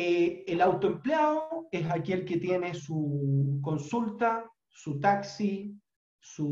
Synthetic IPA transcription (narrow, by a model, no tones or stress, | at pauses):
eelawt̪oempleaoesake̞lket̪je̞nesuko̞nsult̪a | sut̪aksi | su